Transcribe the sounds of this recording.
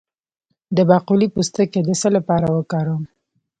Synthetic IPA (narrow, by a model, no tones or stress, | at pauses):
d̪əbɑqulipust̪əked̪əsəlapɑɾawəkɑɾəm